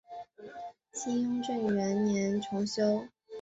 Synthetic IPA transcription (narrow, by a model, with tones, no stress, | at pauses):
t͡ɕʰi˥ŋʈ͡ʂə˥˩ŋ˨ɥɛ˧˥nnjɛ˧˥nʈ͡ʂʰʊ˧˥ŋɕjo˥ʊ